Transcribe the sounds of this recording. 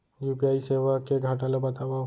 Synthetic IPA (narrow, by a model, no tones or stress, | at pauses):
jupiaiseʋakeɡʱaʈalɔbət̪aba